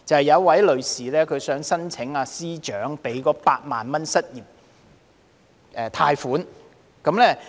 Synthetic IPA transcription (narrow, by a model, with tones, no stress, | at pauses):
t͡sɐ˨whjɐ˨˧wɐ˨˥jlɵ˨ɥsiː˨lɛː˥kʰɵ˨˧sœː˨˥ŋsɐ˥nt͡sʰɪ˨˥ŋaː˧siː˥t͡ʃœː˨˥ŋpe˨˥jkɔː˨˥paː˧t̚maː˨˩nmɐ˥nsɐ˥t̚jiː˨˩p̚ | ʔɛː˨˧t̪ʰaː˧jfuː˨˥n | kɐ˨˥mlɛː˥